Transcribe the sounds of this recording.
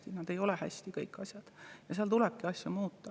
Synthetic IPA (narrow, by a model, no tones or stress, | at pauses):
t̪inɑd̪e̞jo̞lehæ̰sʲt̪ikɤjkːˑɑsʲjɑd̪̥jɑseɑlt̪ulɛb̥̚kiɑsʲjumuːt̪ːɑ